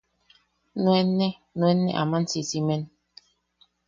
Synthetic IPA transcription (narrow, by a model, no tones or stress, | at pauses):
nwɛnːɛ | nwɛnːɛ̰ʔa̰man̩sisimɛn